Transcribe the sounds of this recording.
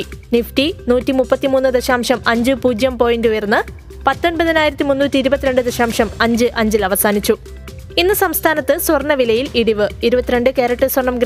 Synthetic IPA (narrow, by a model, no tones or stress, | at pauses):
nifʈinuːtːimupːɐt̪ːimuːnːɨd̪ɐɕaːmʂɐmɐɲd͡ʑɨpuːd͡ʑjɐmpo̞ːjindujɐrnːɨ | pɐt̪ːonbɐðinaːjiɾɐt̪ːimunːuːtːiːɾubɐt̪ːiɾe̞ɳɖɨd̪eɕaːmʂɐmɐɲd͡ʑɨʔɐɲd͡ʑilɐʋɐsaːnit͡ɕːu | inːɨsɐmst̪ʰaːnɐt̪ːɨswɐrɳːɐʋilɐjiliɽiʋɨiɾubɐt̪ːiɾe̞ɳɖɨkeːɾɐʈːɨswɐrɳɐmɡ